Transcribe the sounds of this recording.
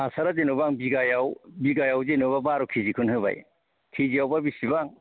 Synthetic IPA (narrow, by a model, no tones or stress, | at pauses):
asaɾazenubaŋbiɡajawbiɡajawzenuβabaɾukʰizikʰunhɯba̰j | kʰiziawbabisibaŋ